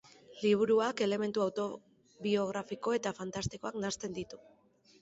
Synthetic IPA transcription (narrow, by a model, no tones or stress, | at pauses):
liβ̞uɾuake̞le̞me̞nt̪uawt̪o̞ | βio̞ɣ̞ɾafiko̞e̞t̪afant̪ast̪iko̞aknast̪e̞nd̪it̪u̥